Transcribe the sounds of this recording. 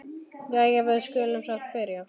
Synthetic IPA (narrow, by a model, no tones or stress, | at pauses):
jɛɣɛvɛðskœːlʏmsaxt̪̚pɪɾja